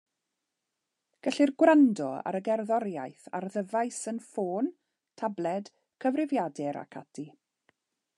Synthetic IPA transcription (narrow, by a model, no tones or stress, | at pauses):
ɡ̥əɬɪrɡwɾandɔa̰ɾəɡɛrðɔɾjajθa̰rðəvajsənfoːn | tʰablˠɛd̥ | kʰəvrɪvjadɛɾa̰kʰadʰi